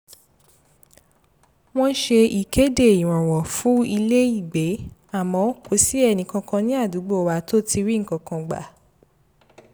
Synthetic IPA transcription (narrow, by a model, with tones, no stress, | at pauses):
w̃ɔ̃˦ʃe˧i˨ke˨˦de˦˨i˨w̃ɔ̃˨wɔ˨fũ˦i˧le˦i˦˨ɡ͡be˨˦a˦˨mɔ̃˧˦ko˨˦si˦ɛ˦˧nĩ˧kã˧kã˧nĩ˦a˦˨du˨˦ɡ͡bo˦˨wa˧to˦ti˧ɾi˦ŋ̩˨kã˧kã˧ɡ͡ba̰˨